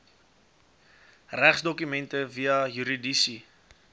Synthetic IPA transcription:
ræχsdɔkymɛntəviɐɦyɾidisi

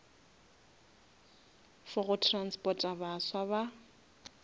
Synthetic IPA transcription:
fʊɣʊtʰranspʼɔtʼabaswaβa

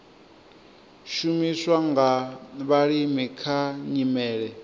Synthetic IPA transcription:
ʃumiswaŋɡaβaɺimikʰaɲimɛːɺɛ

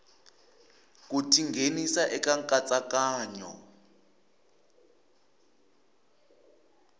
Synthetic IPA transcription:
k̬ʼutʰiŋɡʱenisaʔɛkaŋkʼat͡sʼakaːɲɔ̰

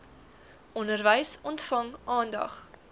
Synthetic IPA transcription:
ʔɔndərvəjsɔntfɐŋɑːndɐ̰χ

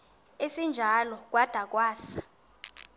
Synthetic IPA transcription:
esind͡ʒʱalɔk̬ʼwad̥ʱak̬ʼwaːsḁ

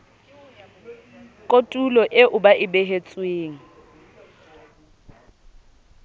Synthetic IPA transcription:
kʼotʼulɔʔɪʔʊbaʔɪbeɦet͡sʼweːŋ̩

